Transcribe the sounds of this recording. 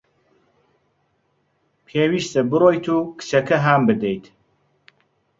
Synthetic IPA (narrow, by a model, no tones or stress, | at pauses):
pʰeːwiːʃt̪ɐbɨroːjt̪ʰuːkɨ̥t͡ʃɐkɐɦaːmbɨd̪ejt̪